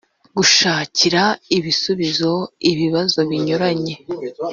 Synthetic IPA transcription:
ɡuʃaːciɾaiβisuβizo̞iβiβazo̞βiɲoɾaɲe̞

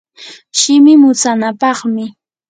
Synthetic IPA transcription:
ʃɪmɪmʊt͡sanapɑχmɪ

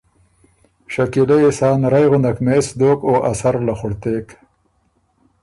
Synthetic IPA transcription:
ʃakileesɑːnɾajɣʊnakmeːsd̪oːkoːʔasaɾlaxʊɽt̪eːk

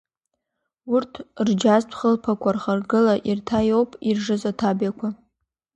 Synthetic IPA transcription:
urtʰrd͡ʒaztʷʰχəlpʰakʷʰarχarɡɨlaʔirtʰajo̞wpʼirʐɨzatʰabjakʷʰa

